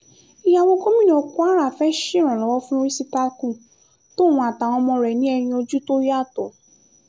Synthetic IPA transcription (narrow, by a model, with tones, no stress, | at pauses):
i˦ja˧wo˧ko˦mĩ˦˨ñ˨ɔ˧ku˦a˦ɾa˦˨fɛ˦ʃi˦˨ɾ̃ɔ̃˨lɔ˨˦wɔ˦fũ˦ɾi˦si˦ta˧kũ˦˨ | to˦˨w̃ũ˧a˨ta˨w̃ɔ̃˧mɔ̃˧ɾɛ˨nĩ˦ɛ˧ɾ̃ĩ˧o˧d͡ʒu˦to˦ɾi˦a˦˨tɔ˨